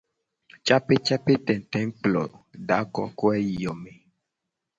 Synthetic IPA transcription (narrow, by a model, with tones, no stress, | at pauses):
t͡ʃa˦pe˦t͡ʃa˦pe˦t̪ɛ̃˨n˨t̪ɛ̃˨˦ŋ˦plɔ̰˨ɖa˨˦kɔ̰˦ko˦ɛ˦ji˨jɔ˨me˨